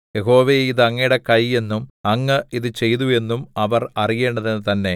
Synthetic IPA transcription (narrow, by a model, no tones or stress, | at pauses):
jeɦo̞ːʋeiðɨɐŋːɐjɽekɐje̞nːumɐŋːɐiðɨt͡ɕe̞jðue̞nːumɐʋɐrɐrije̞ːɳɖɐðenːɨt̪ɐnːe̞